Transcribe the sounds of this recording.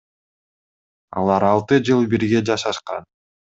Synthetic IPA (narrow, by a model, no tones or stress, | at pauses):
ɑ̰lˠɑɾɑlˠt̪ɯd͡ʒɯlˠbiɾɡe̞d͡ʒɑʃɑʃqɑ̰n